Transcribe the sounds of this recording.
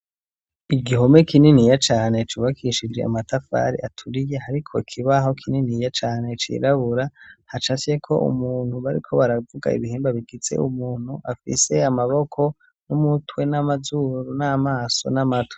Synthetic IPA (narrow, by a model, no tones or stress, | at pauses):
iɡiɦo̞me̞kininijat͡ʃaːne̞t͡ʃuβakʰiʃid͡ʒe̞̰a̰matafa̰ɾḭʔatʰuɾije̞haɾikʰo̞ikʰiβaɦo̞kʰininijat͡ʃaːne̞t͡ʃḭɾaβuɾahat͡ʃase̞kʰo̞̰ʔṵmuːnhuβaɾḭkʰo̞βaɾavuɡa̰ḭβiheːmbaβiɡize̞̰umuːn̥huʔafḭse̞amaβo̞kʰo̞ | numutwe̞namazuɾunamaːso̞̰namatwe